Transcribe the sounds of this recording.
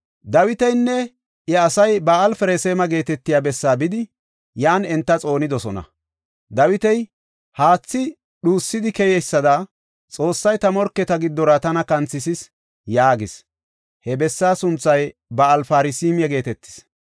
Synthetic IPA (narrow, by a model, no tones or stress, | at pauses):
d̪ɐwɪt̪ɛjnːɛ | ʔɛɐsɐjbɐɐlfɛɾeseːmɐɡe̞ːt̪ɛt̪ːɪjaːbɛsːaːbɪd̪ɪ | jaːnɛnt̪ːɐt͡sʼo̞ːnɪd̪ɔsɔnɐ̰ | d̪ɐwɪt̪ɛj | haːt͡sːɪ | ɗuːsːɪd̪ɪkɛjɛjsːɐd̪ɐ | t͡sʼo̞ːsːɐjt̪ɐmɔɾkːɛt̪ɐɡɪd̪ːɔɾɐt̪ɐnɐkɐnt͡sːɪsɪs | jaːɡɪs | hɛbɛsːaːsʊnt͡sːɐjbɐɐlfaːɾɪsiːmɪjɐɡe̞ːt̪ɛt̪ːɪ̥s